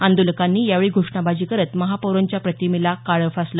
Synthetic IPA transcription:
and̪ulkanːiːjaʋeɭiːɡʱoʂɳabad͡ʑiːkəɾət̪məɦapoɾəɲt͡ɕjapɾət̪imilakaɭəfaslə

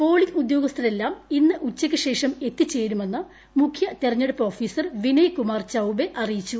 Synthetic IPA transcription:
po̞ːɭiŋud̪jo̞ːɡɐst̪ʰɐɾe̞lːaːminːɨʔut͡ɕːɐkʲːɨɕe̞ːʂɐme̞t̪ːit͡ɕːe̞ːɾume̞nːɨ | mukʰjɐt̪erɐɲːeɽupːoːfiːsɐrʋinɐjkumaːrt͡ɕɐwbe̞ʔɐrijit͡ɕːu

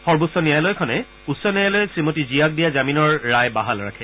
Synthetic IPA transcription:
xɔɹbʊsːɔnijajlɔjkʰɔnɛ | usːɔnijajlɔjɛsɹimotizijak̚dijazaminɔɹːajbaɦalɹa̰kʰɛ

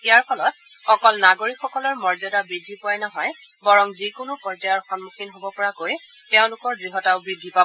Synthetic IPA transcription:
ijaɹpʰɔlɔt̚ | xɔkɔlnaɡoɹikxɔkɔlɔɹmɔɹzɔdabɹidʱːipʊajnɔɦɔj | bɔɹɔŋzikʊnʊpɔɹzajɔɹxɔnmuxinɦobɔpɔɹakoj | teʊ̃lʊkɔɹdɹiɦɔtaʊbɹidʱːipa

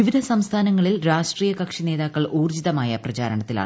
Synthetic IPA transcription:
iʋid̪ʱɐsɐmst̪ʰaːnɐŋːɐɭilɾaːʂʈriːjɐkɐkʂine̞ːðaːkkːɐɭʔuːrd͡ʑiðɐmaːjɐprɐt͡ɕaːɾɐɳɐt̪ːila̰ːɳ

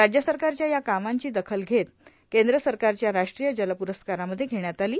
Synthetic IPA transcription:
ɾad͡ʑjəsəɾkaɾt͡ɕjajakamaɲt͡ɕiːd̪əkʰəlɡʱet̪ | kend̪ɾəsəɾkaɾt͡ɕjaɾaʂʈɾijəd͡ʑəlapuɾəskaɾaməd̪ʱːjeɡʱeɳjat̪aliː

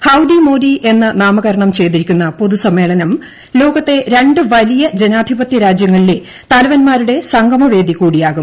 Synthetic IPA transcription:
hɐwd̪imoːd̪iʔe̞nːɨnaːmɐɣɐɾɐɳɐmt͡ɕe̞jt̪̬iɾikʲːunːɐpo̞ðusɐmːe̞ːɭɐnɐm | lo̞ːɣɐt̪ːe̞ɾe̞ɳɖɨʋɐlijɐd͡ʑe̞naːd̪ʱibɐt̪jɐɾaːd͡ʑjɐŋːɐɭile̞ | t̪ɐlɐʋɐnmaːɾuɽe̞sɐŋɡʱɐmɐʋe̞ːd̪ikːuːɽijaːɣum

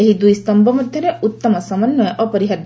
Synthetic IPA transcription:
eɦid̪ujst̪ɔmbɔmɔd̪ʱjɔɾeut̪ːɔmɔsɐmɐnːɔjʔɔpɔɾiɦɐd̪

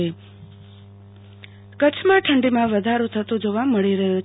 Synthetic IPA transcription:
e | kət͡ʃʰmãʈʰəɳɖimãʋəd̪ʱaɾũt̪ʰət̪ũd͡ʒoʋaməɭiɾəɦu

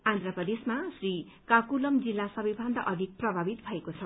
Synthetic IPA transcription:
ãnd̪ɾapʌd̪esmasri | kakulʌmd͡zilːasʌbibʱʌnd̪ʱʌʔʌd̪ʱik̚prʌbʱabit̪̚bʱʌekot͡sʰʌ

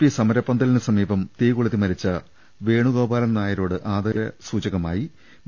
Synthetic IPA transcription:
pːisɐmɐɾɐpːɐnd̪ɐlinɨsɐmiːbɐmt̪iːɣuɭɐðimɐɾit͡ɕːɐ | ʋe̞ːɳuɣo̞ːbaːlɐnnaːjɐɾo̞ːɽɨʔaːd̪ɐɐɾɐsuːt͡ɕɐɣɐmaːji

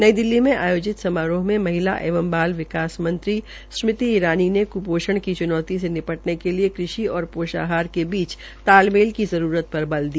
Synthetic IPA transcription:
nɐid̪ɪlːimẽʔa̰ːjoːd͡ʒɪt̪sɐmaːɾõɦmẽmɐɦɪla̰ʔḛːʋəmbaːlʋɪkaːsmɐ̃nt̪ɾi | smɪt̪iiɾaːninekʊpoːʃəɽ̃kit͡ʃʊnɔːt̪isenɪpəʈnekeliekɾɪʃiɔːɾpoːʃa̰ːɦaːɾkebiːt͡ʃ | t̪aːlmeːlkizɐɾuːɾət̪̚pɐɾbɐld̪iː

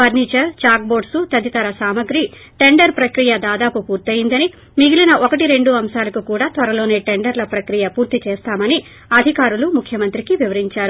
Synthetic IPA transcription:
ʋɐɾniːt͡ʃɐɾt͡ʃaːk̚boːɖsut̪ɐd̪it̪ɐɾɐsaːmɐɡɾi | ʈe̞ɳɖɐɾpɾɐkɾijɐd̪aːd̪aːpupuːɾt̪ɐjind̪ɐni | miɡilinɐʔokɐʈiɾe̞ɳɖuɐmʃaːlɐkukuːɽaːt̪ʋɐɾɐlo̞ːne̞ːʈe̞ɳɖɐɾlɐpɾɐkɾijɐpuːɾt̪it͡ʃeːst̪aːmɐni | ɐd̪ʱikaːɾulumukʰːjɐmɐnt̪ɾikiʋiʋɐɾiɲt͡ʃaːɾu

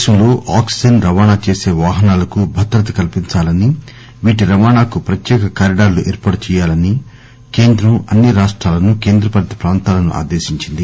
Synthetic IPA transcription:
ʃɐmloːʔaːksi̥d͡ʒɐnɾɐʋaːɳaːt͡ʃe̞ːse̞ːʋaːɦɐnaːlɐkubʱɐt̪ɾɐt̪̬ɐ̥kɐlpiɲt͡ʃaːlɐni | ʋiːʈiɾɐʋaːɳaːkupɾɐt̪jɛːkɐkaːɾiɖaːɾluʔɛːɾpaːɽɐt͡ʃɛːjaːlɐni | ke̞ːnd̪ɾɐmɐnːiɾaːʂʈɾaːlɐnuke̞ːnd̪ɾɐpɐlt̪ɐ̥pɾaːnt̪aːlɐnṵʔa̰ːd̪e̞ːʃiɲt͡ʃind̪i

